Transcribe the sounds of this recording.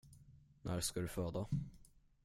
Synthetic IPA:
nʔæ̰ːɾʂkad̪ɵføːd̪a

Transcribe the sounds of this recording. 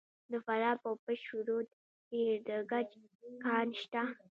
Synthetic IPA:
d̪əfaɾɑpowpəʃuɾod̪ | deɾd̪əɡad͡ʒkɑɾʃt̪a

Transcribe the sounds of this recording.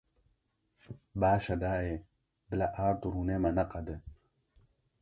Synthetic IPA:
baːʃɐd̪aːe | bəlɐʔaːɾt̪uɾunemɐnɐqɐd̪e

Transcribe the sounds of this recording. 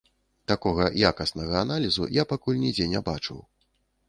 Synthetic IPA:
t̪akɔɣɐjakɐsnɐɣɐːnalʲizṵjapakulʲnʲid͡zʲɛnʲɛbat͡ʂɨ̰w

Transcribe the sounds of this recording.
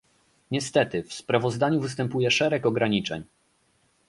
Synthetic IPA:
ɲɛst̪ɛt̪ɘfspɾavɔzd̪aɲuvɘst̪ɛmpujɛʂɛɾɛkɔɡɾaɲit͡ʂɛ̰ɲ

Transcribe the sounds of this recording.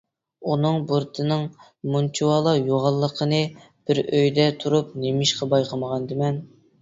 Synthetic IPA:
unɨŋbuɾt̪ʰɨnɨŋ | munt͡ʃʰuwɑlˠɑjoʁɑlˠːəqʰənɨ | b̥ɪɾøjd̪ɛt̪ʰuɾup̚nemɪʃqɑbɑjqʰɑməʁɑnd̪ɨmɛn

